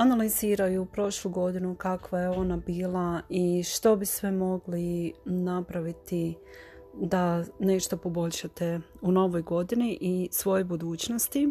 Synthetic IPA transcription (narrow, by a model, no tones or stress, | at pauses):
analiziːɾajuːpɾo̞ʃluɡo̞d̪inukakʋaje̞o̞nabiːlˠaiʃt̪o̞bisʋemo̞ɡlinapɾaʋit̪i | d̪ane̞ʃt̪o̞po̞bo̞ʎʲʃat̪e̞ | uno̞ʋo̞jɡo̞d̪iniʔisʋo̞jebud̪uːt͡ɕnost̪i